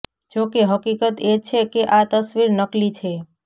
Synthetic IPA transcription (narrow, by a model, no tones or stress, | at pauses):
d͡ʒokeɦəkikət̪et͡ʃʰekeʔat̪əsʋiɾnəklit͡ʃʰe